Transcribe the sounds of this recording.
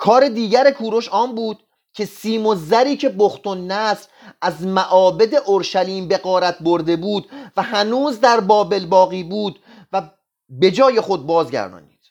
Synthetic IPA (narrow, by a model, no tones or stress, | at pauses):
kʰɒːɾe̞d̪iːɟæɾe̞kʰuːɾo̞ʃɒːmbuːd̪̥̚ | cʰe̞siːmozæɾiːcʰe̞boxt̪ʰonːæsɾ | æzmæʔɒːbe̞d̪e̞ʔoɾʃæliːmbe̞ɣɒːɾæt̪̚ʰboɾd̪e̞buːd̪væhænuːzd̪æɾbɒːbe̞lbɒːɣiːbuːd̪ | væ | be̞d͡ʒɒːje̞xo̞d̪̚bɒːzɟæ̰ɾd̪ɒ̰ːnḭːd̪̥